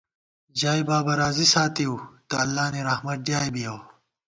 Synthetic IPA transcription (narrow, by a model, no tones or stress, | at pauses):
d͡ʑaːjbaːbɐɾaːzisaːt̪iut̪ɐɐlːaːniɾɐhmɐt̪̚ɖjaːjbijɐw